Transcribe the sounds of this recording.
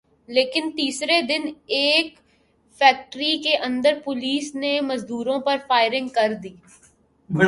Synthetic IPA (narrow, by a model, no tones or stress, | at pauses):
leːkɪnt̪iːsɾed̪ɪneːk | fɛːk̚ʈɾikeʔɐ̃nd̪əɾpʊliːsnemɐzd̪uːɾõpɐɾfaːɪɾɪ̃ŋɡ̚kɐɾd̪iː